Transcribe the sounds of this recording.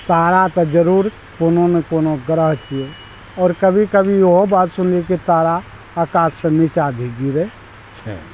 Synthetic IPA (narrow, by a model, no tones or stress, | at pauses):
t̪aːɾat̪ɐd͡ʒəɾuːɾ | koːnonekoːnoɡɾəɦt͡ʃie | ɔːɾkəbʱikəbʱijoɦobaːt̪sʊnlekit̪aːɾa | aːkaːsːenɪʃaːd̪ʱiɡiɾe | t͡ʃʰɛ̰